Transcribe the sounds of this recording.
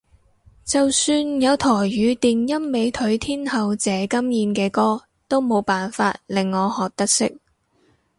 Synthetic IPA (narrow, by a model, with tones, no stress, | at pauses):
t͡sɐ˨wsyː˧njɐ˨˧wt̪ʰɔː˨˩jːyː˨˧˥t̪iː˨njɐ˥mːe˨˧jt̪ʰɵ˨˥ɥt̪ʰiː˥nhɐ˨wt͡sɛː˨˥kɐ˥mjiː˨˧nkɛː˧kɔː˥ | t̪o˥wmo˨˧wpaː˨nfaː˧t̚lɪ˨ŋːɔː˨˧hɔː˨k̚t̪ɐ˥k̚sɪ˥k̚